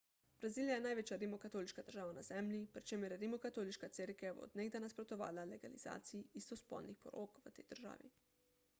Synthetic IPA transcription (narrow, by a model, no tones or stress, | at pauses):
b̥ɾaziːljajɛnajʋeːt͡ʃjaɾimɔkat̪oːliʃkad̪əɾʒaːʋanaz̥ɛmlʲipɾit͡ʃeːməɾjɛɾimɔkat̪oːliʃkat̪seɾkɛbo̰d̪neɡ̚d̪anaspɾot̪ɔʋa̰ːlaleɡaliza̰ːt̪sijiist̪ɔspɔ̰lnixpɔɾo̰kʋət̪ɛjd̪̥əɾʒa̰ːʋḭ